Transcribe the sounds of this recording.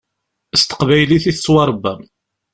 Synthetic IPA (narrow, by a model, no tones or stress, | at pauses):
əst̪ə̥qvæjliθiθəswɑɾˤbːæm